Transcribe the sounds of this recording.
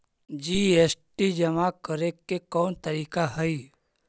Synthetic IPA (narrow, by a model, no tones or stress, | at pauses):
d͡ʒiːeːsʈid͡ʒəmakəɾekːekɔːnt̪əɾiːkaɦəi